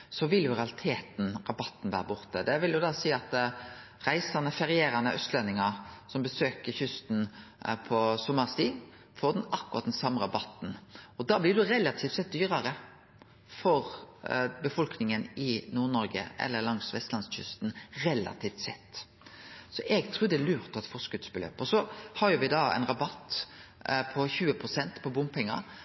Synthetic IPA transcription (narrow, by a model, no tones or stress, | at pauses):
sɔʋɪljʊɾɛɑlɪt̪ʰeːt̪n̩ʁɑbɑt̪ːn̩ʋæːɾəbʊʁt̪əd̪ɛʋɪljʊd̪ɑːsiːɑt̪ | ʁæɪsɑnəfɛɾɪeːɾɑnəʔœst̪lɛnɪŋɑsɔmbəsøːkəçʏst̪n̩pʰɔsɔmːəʁst̪iː | foːd̪ɛnɑkːʊʁɑt̪̚d̪ɛnsɑmːəʁɑbɑt̪ːn̩ɔd̪ɑːblɪʁd̪ɛɾɛlɑt̪ʰiːft̪sɛt̪̚d̪yːʁɑʁə | fɔɾ | bəfɔlknɪŋənʔɪnuːʁnɔɾɡə̰ʔɛ̰lːəlɑŋsʋɛst̪lɑnsçʏ̰st̪n̩ɾɛlɑ̰t̪ʰiːft̪sɛt̪ː | sɔʔɛɡt̪ʰɾuːd̪ɛlʉːʁt̪pʰɔɛt̪fɔsɡʉt̪sbəlø̰ːpɔsɔhɑjʊʋɪd̪ɑɛ̰ɪnʁɑbɑt̪ː | pʰɔçʉːəpʰɾʊsɛnt̪pʰɔbʊmpʰɛŋːɑ̰